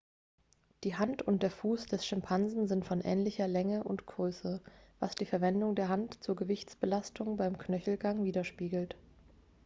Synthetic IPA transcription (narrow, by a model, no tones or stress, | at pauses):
d̥iːɦantʊnt̚d̥eːɐfuːsd̥ɛsʃɪmpʰanzn̩zɪntfɔnʔɛ̰ːnlɪçɐlɛŋəʔʊntɡ̥ʁøːsəv̥a̰sd̥iːfɛɐvɛndʊŋdeːɐɦantt͡suːɐɡəvɪçt͡sb̥əlastʰʊŋbaɪmkʰnœçl̩ɡaŋviːdɐʃpiːɡl̩t